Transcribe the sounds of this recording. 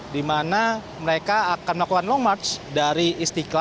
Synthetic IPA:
dimana | məɾekaːkanməlakukanlɔŋmart͡ʃdaɾiist̪ika

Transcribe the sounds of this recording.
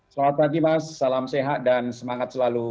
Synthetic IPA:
səlamat̪̚paɡimasːalamseɦat̪̚dansəmaŋat̪̚səlalu

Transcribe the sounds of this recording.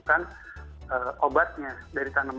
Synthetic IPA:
kan | əobat̪̚ɲadaɾit̪anəm

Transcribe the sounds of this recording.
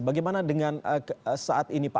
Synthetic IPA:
baɡajmanadəŋanəsaʔat̪inipa

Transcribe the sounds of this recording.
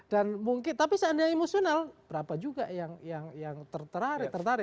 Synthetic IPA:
danmuŋkɪnt̪apisandaemosionalbəɾapad͡ʒuɡajaŋjaŋjaŋt̪ərt̪əɾaɾɪt̪ərt̪aɾɪ

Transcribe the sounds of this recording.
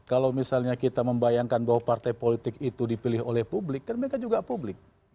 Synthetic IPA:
kalawmisalɲakit̪aməmbajaŋkanbaɦwapart̪ajpolit̪ɪkit̪udipilɪɦolɛhpublɪk̚ɡarməɾekad͡ʒuɡapublɪk̚

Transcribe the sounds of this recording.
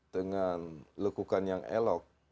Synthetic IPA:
dəŋanləkukanjaŋḛlɔk̚

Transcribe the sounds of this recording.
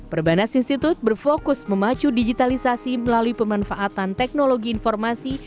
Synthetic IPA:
pərbanasinst̪it̪ʊt̪̚bərfokʊsməmat͡ʃudid͡ʒit̪alisasiməlaluipəmanfaʔat̪ant̪ɛk̚noloɡiːnfɔrmasi

